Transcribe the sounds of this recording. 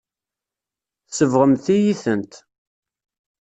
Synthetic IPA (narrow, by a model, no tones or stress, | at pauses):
θsəvʁəmθijiθənt̪